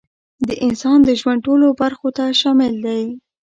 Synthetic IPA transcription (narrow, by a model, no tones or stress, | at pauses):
d̪əʔɪnsɑnd̪əʒwanɖ̚ʈolobaɾxot̪aʃɑmɪld̪aj